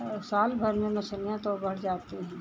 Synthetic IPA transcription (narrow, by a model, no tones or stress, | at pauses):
saːlbʱɐɾmẽmɐsəljãt̪obɐɽ̤d͡ʒaːt̪eɦɛ̃ː